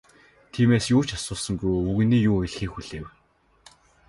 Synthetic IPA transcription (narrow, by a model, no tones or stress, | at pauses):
t̪ʰiːmeːsjʊːt͡ɕḁsʊːsə̆ŋɡujuɣ̆niːjuːeɮxiːxuɮ̥eːw